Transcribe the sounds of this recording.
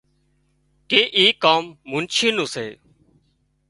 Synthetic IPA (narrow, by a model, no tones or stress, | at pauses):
keːʔiːkaːmːʊ̃nt͡ʃʰĩːnũːsḛː